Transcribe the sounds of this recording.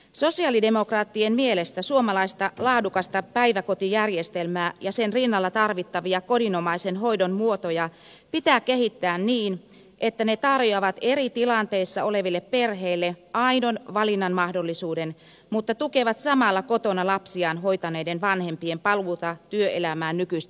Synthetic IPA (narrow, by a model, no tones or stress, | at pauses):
so̞siɑlide̞mo̞krɑːt̪ːienmielest̪æsuomɑlɑist̪ɑlɑːdukɑst̪ɑpæiʋæko̞t̪ijærjest̪elmæːjɑsenrinːɑlːɑt̪ɑrʋit̪ːɑʋiɑko̞dinomɑisenɦo̞idonmuot̪ojɑ | pit̪æːkehit̪ːæːnniːn | ʔet̪ːænet̪ɑrjoɑʋɑt̪eɾit̪ilɑnt̪eisːɑoleʋilːepperɦeilːeɑinonʋɑlinːɑnmɑhdolːisuːden | mut̪ːɑt̪ukeʋɑt̪sɑmɑlːɑkot̪onɑlɑpsiɑːnɦoit̪ɑneidenʋɑnhempiempɑlut̪ɑt̪yøelæmæːnnykyist̪